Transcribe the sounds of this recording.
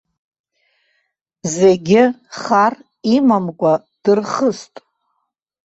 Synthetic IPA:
zeɡʲɪχar | imamkʷʼa | d̥ɨrχəstʼ

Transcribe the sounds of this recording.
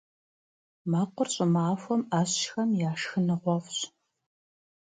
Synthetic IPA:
maːqʷɔrɕʼɪmaːfʷɔmaːɕːxɐmjaːʂxɨnɨʁʷɔfɕ

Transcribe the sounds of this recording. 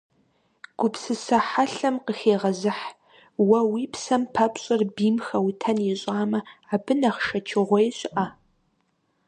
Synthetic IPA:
ɡ̥ʷʊpsɨsɐħaɬɐmqəxeːʁɐzɨħ | wɐwiːpʰsɐmpʰɐpɕʼɪrbiːmxɐwtʰɐnjɪɕʼaːmɐaːbɨnɐχʃɐt͡ʃʰɪʁʷɔjɕʼɪʔa

